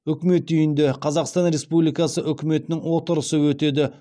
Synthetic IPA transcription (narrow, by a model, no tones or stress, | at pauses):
ʏkʲɪme̞t̪̚d̪yjɪnd̪e̞qʰɑzɑqst̪ɑnɾe̞spublijkɑsəʔʏkʲɪme̞t̪ɪnɪŋwo̞t̪əɾəsəwɵt̪e̞d̪ɪ